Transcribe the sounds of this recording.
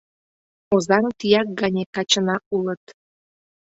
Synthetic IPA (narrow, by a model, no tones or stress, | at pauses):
ozɑɾɤt̪ijɑk̚ɡɑnʲekɑt͡ɕənɑʔulət̪